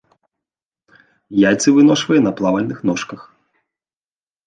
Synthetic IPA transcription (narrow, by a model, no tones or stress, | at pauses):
jajt̪sɨvɨnɔʂvɐjɐnɐplˠavɐlʲnɨxnɔʂkɐx